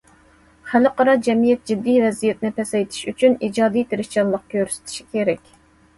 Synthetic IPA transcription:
χælɨqəɾɑd͡ʒɛmijɛt̪̚d͡ʒid̪ːijvɛzijɛt̪nɪpʰɛsɛjt̪ʰɪ̥ʃyt͡ʃʰynid͡ʒɑːd̪ijt̪ʰeɾɪʃt͡ʃɑnlˠəq̚kʲʰøɾsy̥t̪ʰi̥ʃi̥kʲʰeɾɛkʲ

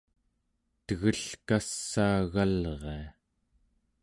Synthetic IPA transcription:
t̪əɣəɬkasːaːɣalʁea

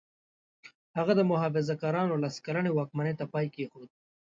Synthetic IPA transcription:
haɣad̪əmʊɦɑfɪzakɑːɾɑnolaskaɾanewɑːk̚manet̪apɑːjkexod̪̚

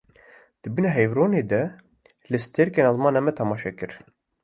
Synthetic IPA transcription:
d̪̥ɨbɨnɛɦɛjvɾoːneːd̪ɛ | lɨst̪ʰeɾkeːnɑzmɑːnɑmɛt̪ʰɛmɑːʃɛkɨɾ

